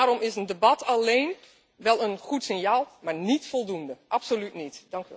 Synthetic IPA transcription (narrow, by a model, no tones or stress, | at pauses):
aːɾɔmɪsəndəbɑtʰɑleːn | ʋɛlˠənχutsɪnjaːlˠmaːɹnitfɔlˠdundəʔɑpsolytnitdɑŋkyɛ